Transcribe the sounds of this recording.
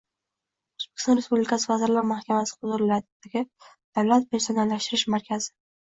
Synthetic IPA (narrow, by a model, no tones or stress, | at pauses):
ʊz̥b̥e̥kʰʲɪ̥st̪ɒnɾe̞spublikʲasɪvazɪɾlaɾmahkʲʰamasɪ̥hʊzʊɾlad̪d̪̥aɡʲɪ | d̪̥awlat̪̚pʰeɾsonalːaʃt̪ɪɾɪʃmaɾkʲʰazɪ